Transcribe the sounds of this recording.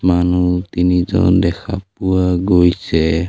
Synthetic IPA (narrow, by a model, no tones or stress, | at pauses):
manut̪inid͡ʒɔ̰ndɛkʰap̚uaɡojt͡ʃɛ